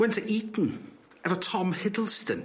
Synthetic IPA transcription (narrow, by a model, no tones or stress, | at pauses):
wɛntʰəʔiːtn̩ | ɛvɔtʰɔmhɪdl̩ˠstən